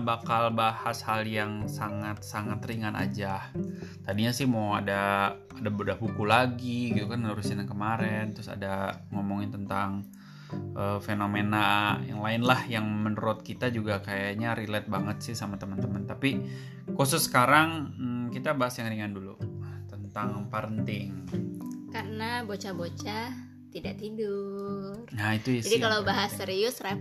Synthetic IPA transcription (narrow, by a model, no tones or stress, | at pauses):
bakalbahashaljaŋsaŋat̪̚saŋat̪riŋanʔa̰d͡ʒaht̪adiɲasɪhmaadaː | dabudahbukulaɡiɡit̪ukannuɾʊsinankəmaɾɛnt̪ɾʊsa̰da | ŋomoŋɪnt̪ənt̪aŋ | ʔəfenomenaja̰ŋlaɪnlahjaŋmənɾɔt̪̚kit̪ad͡ʒuɡakajaɲaɾilɛt̪̚baŋət̪sɪhsamat̪əmənt̪əmənt̪api | kusʊsːə̥kaɾaŋ̩kit̪abaɦasjaŋriŋandulṵt̪ənt̪aŋpəɾənt̪ɪŋ | karənabot͡ʃabot͡ʃa | t̪idaʔt̪idʊ | rait̪ujid͡ʒadikalabaɦaseɾiʊsɾa